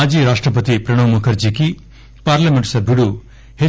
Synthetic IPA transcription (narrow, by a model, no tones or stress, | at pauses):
ad͡ʒiːɾaːʂʈɾɐpət̪ipɾɐɽ̃ɐwmukʰɐɾd͡ʒiki | paːɾlamẽɳʈsɐbʱiɽu | he